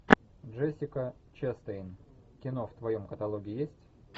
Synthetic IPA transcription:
dʐɛsʲɪkət͡ɕɛst̪əɪn | kʲɪno̞ft̪vɐjo̞mkət̪ɐlˠoɡʲɪːjesʲtʲ

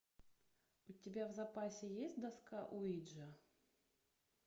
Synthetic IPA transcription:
ʊtʲɪbʲavzɐpasʲɪjesʲtʲd̪ɐskaʔʊid̪ʐə

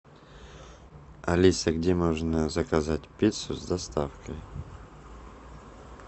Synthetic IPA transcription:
ɐlʲisəɡdʲemoʐnəzəkɐzatʲpʲit̪sʊzd̪ɐst̪afkəj

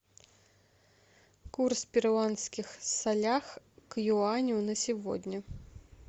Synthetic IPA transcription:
kurspʲiɾwanskʲixsalʲax | kjuanʲunɐsʲivɔ̰d̪ʲnʲɐ

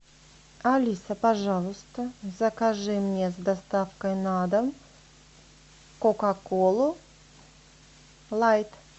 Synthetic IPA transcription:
ɐlʲisəpɐʐɑlˠəst̪əzɐkaʐɨmnʲezd̪ast̪afkəjnad̪əm | kokakolˠu | lˠajt̪

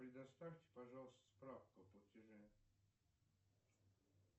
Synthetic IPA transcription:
pɾʲɪd̪ɐst̪afʲtʲɪ̥pɐʐalˠəst̪əspɾafkʊɐptʲɪʐɛ

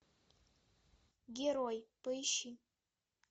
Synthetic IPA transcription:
ɡʲeɾojpʼɨjʃi

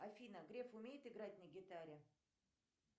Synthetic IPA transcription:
ɐfʲinəɡɾʲe̞fʊmʲejɪt̪ɨɡɾat̚ʲnəɡʲɪt̪aɾʲɪ

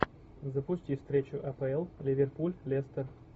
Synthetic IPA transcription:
zəpʊsʲtʲifst̪ɾʲet͡ɕʊʔɐpəɛlˠlʲɪvʲerpulʲlʲest̪ər

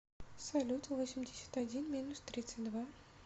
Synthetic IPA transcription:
sɐlʲut̪əvosʲɪmʲdʲɪsʲə̥t̪ad͡zʲinmʲinʊst̪ɾʲit̪sɨtʲd̪va

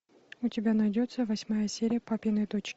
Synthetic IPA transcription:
ʊtʲɪbʲanɐjdʲot̪səvɐsʲmajəsʲeɾʲɪjəpapʲɪjnəjt̪ot͡ɕ

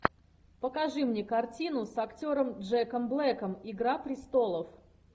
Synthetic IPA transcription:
pəkɐʐɨmnʲekɐrtʲinʊsɐktʲo̞ɾəmdʐɛkəmblˠɛkəmɪɡɾapɾʲɪst̪o̞lˠəf

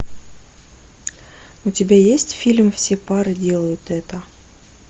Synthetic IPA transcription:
ʊtʲɪbʲajesʲtʲfʲilʲmfsʲepaɾɨdʲe̞lˠəjʊt̪ɛt̪ə

